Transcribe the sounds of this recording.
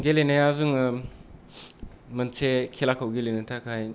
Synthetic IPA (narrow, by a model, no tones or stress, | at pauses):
ɡelenajazuŋɯ | mənsʰekʰelakʰawɡelenɯtʰakʰaj